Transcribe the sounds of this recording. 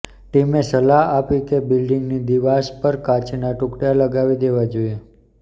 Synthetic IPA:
ʈimesəlaɦapikebilɖiŋɡnid̪iʋaʃpəɾkat͡ʃnaʈʊ̃kɽijaləɡaʋid̪eʋad͡ʒoie

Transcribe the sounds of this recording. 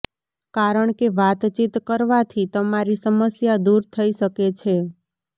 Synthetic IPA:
kaɾəɳkeʋat̪t͡ʃit̪kəɾʋat̪ʰit̪əmaɾisəməsjad̪uɾt̪ʰəiʃəket͡ʃʰe

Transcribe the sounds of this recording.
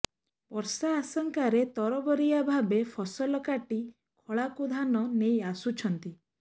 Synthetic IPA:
pɔɾsaːsɔŋkaɾet̪ɔɾɔbɔɾiabʱabepʰɔsɔlɔkaʈi | kʰɔɭakud̪ʱanɔnejasut͡ʃʰɔnt̪i

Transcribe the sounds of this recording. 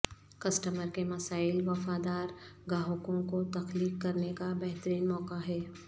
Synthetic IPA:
kɐsʈəməɾkemɐsaːɪlʋɐfaːd̪aːɾɡaːɦkõkot̪ɐxliːkkɐɾnekabɛɦt̪əɾiːnmɔːkaɦɛː

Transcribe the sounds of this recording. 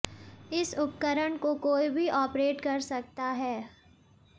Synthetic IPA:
ɪsʊpkəɾəɳkokoːibʱiʔɔːpɾeːʈkɐɾsɐk̚t̪aɦɛː

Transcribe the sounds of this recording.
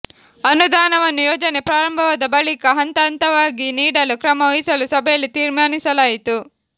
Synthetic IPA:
ɐnud̪aːnɐʋɐnːujoːd͡ʒɐne̞pɾaːɾɐmbʱɐʋad̪ɐbɐɭikɐɦɐnt̪aːnt̪ɐʋaːɡiniːɽɐlukɾɐmɐoisɐlusɐbʱɛjɐlːit̪iːɾmaːnisɐlaːjit̪u

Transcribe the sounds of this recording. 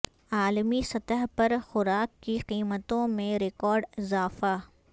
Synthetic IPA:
aːlmisɐt̪əɦpɐɾxʊɾaːkːiqiːmət̪õmẽɾɪkɔːɾɖɪzaːfa

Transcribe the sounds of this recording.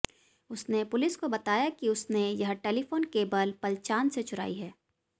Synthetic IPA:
ʊsnepʊlɪskobɐt̪aːjakiʊsnejɐɦʈeːlifoːnkeːbəlpɐlt͡ʃaːnset͡ʃʰʊɾa̰ːiɦɛː

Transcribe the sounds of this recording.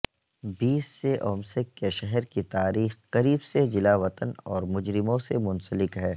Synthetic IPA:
biːsːeʔɔːmsɪkːeʃɛɦɛɾkit̪aːɾiːxqɐɾiːbsed͡ʒɪlaːʋɐt̪ənɔːɾmʊd͡ʒɾɪmõsemʊ̃nsəlɪkɦɛː

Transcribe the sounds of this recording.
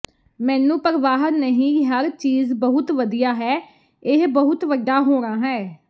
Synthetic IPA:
mɛ̃ːnũːpəɾʋaːɦnəɦĩːɦəɾt͡ʃiːzbəɦʊt̪ʋəd̪ijaːɦɛː | ɪɦbəɦʊt̪ʋəɖːaːɦoːɾaːɦɛː

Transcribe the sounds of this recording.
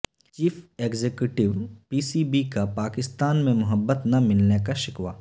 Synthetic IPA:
t͡ʃiːfeːɡzeːkjuʈɪʋpiːsiːbikapaːkɪst̪aːnmẽmʊɦəbːət̪nɐmɪlnekaʃɪkʋa̰ː

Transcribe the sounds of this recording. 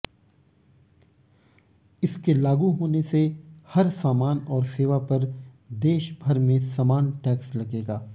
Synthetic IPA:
ɪskelaːɡuɦoːnesehɐɾsaːmaːnɔːɾseːʋapɐɾ | d̪eːʃbʱɐɾmẽsamaːnʈɛːkslɐɡeːɡaː

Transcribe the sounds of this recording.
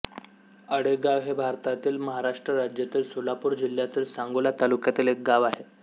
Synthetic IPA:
əɽeɡaʋɦebʱaɾt̪at̪iːlməɦaɾaʂʈɾəɾad͡ʑjat̪iːlsolapuːɾd͡ʑil̤jat̪iːlsaŋɡolat̪alukjat̪iːlek̚ɡaʋaɦe

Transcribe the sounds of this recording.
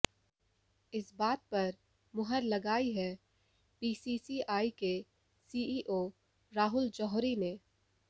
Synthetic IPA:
ɪsbaːt̪̚pɐɾ | mʊɦəɾlɐɡaːiɦɛ | piːsisiaːike | siːiːʔoː | ɾaːɦʊld͡ʒɔːɦɾine

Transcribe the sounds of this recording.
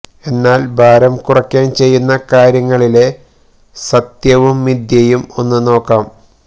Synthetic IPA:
e̞nːaːlbʱaːɾɐmkurɐkʲːaːnt͡ɕe̞jːunːɐkaːɾjɐŋːɐɭile̞ | sɐt̪jɐʋumːid̪jɐjumo̞nːuno̞ːkːaːm

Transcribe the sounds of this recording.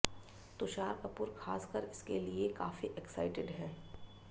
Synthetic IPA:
t̪ʊʃaːɾkɐpʊːɾxʰaːskəɾɪskeliekaːfiʔɛksa̰ːɪʈɪɖɦɛ̃ː

